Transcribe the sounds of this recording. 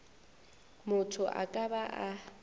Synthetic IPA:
mʊtʰʊʔa̰kʼabaʔa

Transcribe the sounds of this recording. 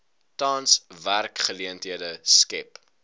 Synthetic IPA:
tɑːnsværkχəliəntɦiədəskɛp

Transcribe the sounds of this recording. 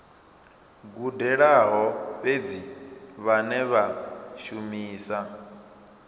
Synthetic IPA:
ɡudɛɺaɦɔβed͡ziβanɛβaʃumiːsa

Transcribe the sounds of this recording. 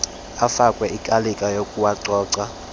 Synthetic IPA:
afakʼwɛikʼalikʼajokʼuwaǀɔːǀa

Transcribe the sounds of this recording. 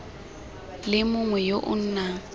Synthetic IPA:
lɪmʊŋwɛjoʔʊ̰n̩ːna

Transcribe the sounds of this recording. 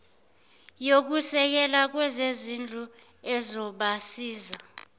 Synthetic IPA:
jok̬usɛk̬ɛlak̬wɛzezind͡ɮʱu | ɛzɔɓasiːza

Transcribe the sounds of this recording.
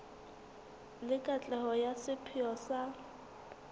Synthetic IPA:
lɪkʼat͡ɬʼɛhɔjasɪpʰɪɔsa

